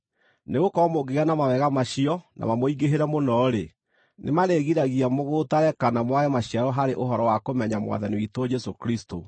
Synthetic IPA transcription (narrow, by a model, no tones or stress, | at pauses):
neɣokɔmoɡeɣanamawɛɣamaɕiɔna̰mamoiɡeɦeɾɛmonɔɾe | nʔḛmaɾeɣiɾaɣiamoɣotaɾɛkanamwaɣɛmaɕiaɾɔɦaɾeʔoɦɔɾɔwakomɛɲamwa̰ðaniwitɔd͡ʒɛsokɾisto